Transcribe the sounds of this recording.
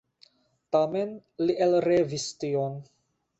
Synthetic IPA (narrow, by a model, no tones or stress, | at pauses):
tamenliʔelɾevistion